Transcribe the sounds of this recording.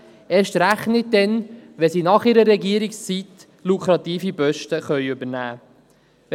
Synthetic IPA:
eːɾʃtɾæχnɪt̚d̪ɛnʋɛsiːnɑχiɾəɾːɛɡiəɾikst͡sit̪ | lukʰɾɑt̪iːfibœʃtəχœʏɵbəɾnæː | ʋ

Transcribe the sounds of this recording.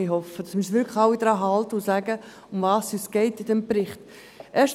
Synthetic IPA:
iɦɔfəd̥ɑsmɪːsʋɪɾkʰlxaʊid̥ɾɑːɦɑltəʊsæɡə | ʊmvɑːsysɡ̥ɛɪtɪdɛmprɪχt | ʔɛɐʃ

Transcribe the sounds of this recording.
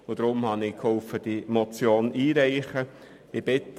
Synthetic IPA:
ʊd̥̪ɾʊmhɑnɪkhɔlfəd̥imɔt͡sjoːniːɾɛɪχə | ɪb̥ɪt̪

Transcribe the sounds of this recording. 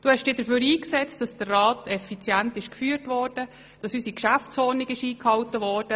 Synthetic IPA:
d̥uhɛʃd̥ɪːd̥əɾføːɾiːksɛt͡st̚d̥ɑsd̥ərːɑːtʰɛfit͡sjæntɪʃkfyːrtʋɔːɾd̥ə | d̥ɑsysikʃæft͡sɔːniɡɪʃiːkhɑltəvɔːɾd̥ə

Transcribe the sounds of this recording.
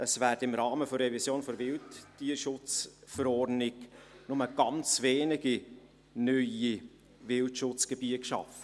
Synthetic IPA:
əsvæːɾdəɪmɾɑːməfɔɾɛvisjoːnfɔɾvɪltːiəɾʃʊt͡sfəɾɔrnɪknʊməɡ̥ɑnt͡sveːnɪɡ̥i | nœʏi | vɪltʃʊt͡sɡ̥ebiəkʃɑ̰fə

